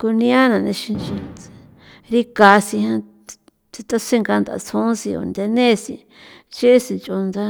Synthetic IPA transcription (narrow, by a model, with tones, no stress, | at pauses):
ko˧nĩ˧˦ã˦nã˨nẽ˧ʃi˧nt͡ʃi˧ | ɾi˦ka˨˧si˧hã˧ | t͡si˧t̪a˦se˦˧ŋɡa˧nd̪a̰˨t͡sʰũ˧˦si˧o̰˧˨nd̪e˧nẽ˦˧si˧ | t͡ʃe˦si˧nt͡ʃo˧nd̪a˦